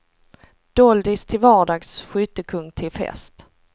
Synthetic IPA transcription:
d̪̥ɔld̪ɪst̪ʰɪlvɑːɖɑːɡsɧʏ̟ːt̪əkʰɵŋːt̪ʰɪlfɛ̰st̪

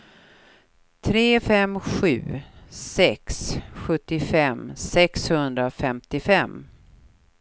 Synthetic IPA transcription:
t̪ʰɾeːfɛmɧʉ̟̰ːsɛksɧɵt̪ːɪfɛmsɛkshɵnd̪ɾafɛmt̪ɪfɛmː

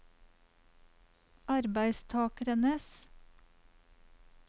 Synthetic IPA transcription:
ɑɾbæɪst̪ʰɑːkəɾənəs

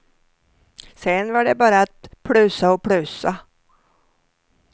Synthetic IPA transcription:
sɛnvaɖɛbɑːɾaat̪̚pʰɽʉːsaɔpʰɽʉːsa

